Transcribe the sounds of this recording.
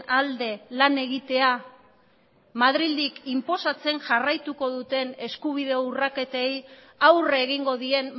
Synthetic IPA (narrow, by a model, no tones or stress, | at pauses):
ald̪e̞lane̞ɣit̪e̞a | mað̞ɾild̪ikimpo̞sat͡se̞nʝarajt̪uko̞ðut̪e̞ne̞skuβ̞ið̞e̞ourake̞t̪e̞j | awrːɣiŋɡo̞ðie̞n